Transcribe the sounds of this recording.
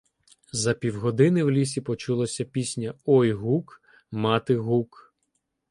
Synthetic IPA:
zɐpʲiwɦɔd̪ɪnɪwlʲisʲipɔt͡ʃulˠɔsʲɐpʲisʲnʲɐɔjɦuk | mɑt̪ɪɦuk

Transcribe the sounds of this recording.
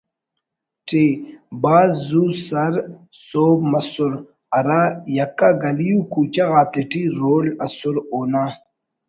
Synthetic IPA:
ʈebaːzzusɐɾ | soːbmɐsʊɾ | ɐɾajɐkːaɡɐlijukuːt͡ɕaɣaːt̪eʈiɾoːlɐsuɾoːna

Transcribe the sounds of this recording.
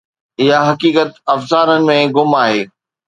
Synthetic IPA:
ɪɦaɦɐkiːkət̪ɐfzaːɾənɪ̆mẽɡʊmaːɦeː

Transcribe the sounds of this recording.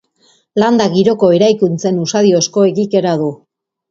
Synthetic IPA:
land̪aɣiɾo̞ko̞e̞ɾajkunt͡se̞nusaðiosko̞e̞ɣike̞ɾaðu

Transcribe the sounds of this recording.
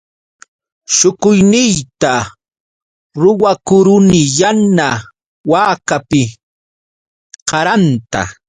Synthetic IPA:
ʃʊkʊjnɪjt̪a | ɾʊwakʊɾʊnɪjana | waːkapɪ | qɑɾant̪a̰

